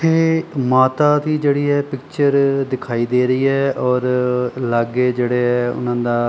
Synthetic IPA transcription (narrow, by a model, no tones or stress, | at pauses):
pʰeːmaːt̪aːd̪iːd͡ʒeːɽiːɛːpɪkt͡ʃəɾd̪ɪkʰaːiːd̪eːɾəiːɛːʔɔːɾlaɡeːd͡ʒeːɽeːɛːʊ̰nãːnd̪aː